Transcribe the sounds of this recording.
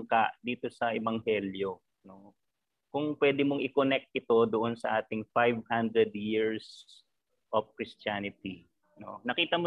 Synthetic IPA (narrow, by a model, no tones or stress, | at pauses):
ŋkaʔd̪iːt̪o̞sɐʔɛbɐŋhɛljo̞ | no̞ | kʊŋpwɛːd̪ɪmoŋʔɪkonɛk̚t̪̚ʔɪt̪o̞d̪oʔonsɐʔaːt̪ɪŋfajvhand̪ɾɛd̪jiɹs | ʔofkɹɪst̪aːnɪt̪i | no̞̰nɐkiːt̪ɐmo